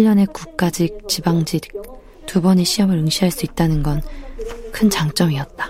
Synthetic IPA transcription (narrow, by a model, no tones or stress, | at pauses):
iʎːʌne̞kuk̚k͈ad͡ʑik̚t͡ɕibaŋd͡ʑi | tubʌɲiɕʰiɦʌmɯɾɯŋɕʰiɦaɭs͈uit̚t͈anɯnɡʌnkʰɯnt͡ɕaŋt͡ɕ͈ʌmiʌt̚t͈ḁ